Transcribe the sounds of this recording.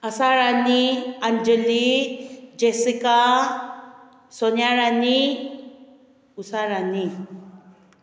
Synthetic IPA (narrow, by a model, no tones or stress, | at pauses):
ɐsaɾaniaɲd͡ʒəli | d͡ʒesika | sonjaɾani | usaɾani